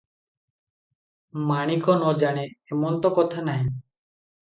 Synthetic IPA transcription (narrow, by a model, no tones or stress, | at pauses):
maɽ̃ikɔnɔd͡ʒaɽ̃eemɔnt̪ɔkɔt̪ʰanaj